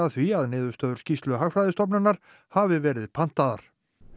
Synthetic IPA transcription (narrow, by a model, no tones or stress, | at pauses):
aðθviaðnɪːðʏst̪œːðʏ̥ɾ̥scist̪lʏɦaɣfɾajðɪst̪ɔp̬nanːaɾ̥ | havɪvɛːɾɪðpʰan̥t̪aða̰ɾ̥